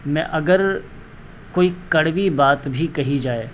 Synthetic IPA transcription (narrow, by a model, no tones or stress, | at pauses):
mɛ̃ʔɐɡəɾ | koːikɐɽʋibaːt̪bʱikɐɦid͡ʒaːeː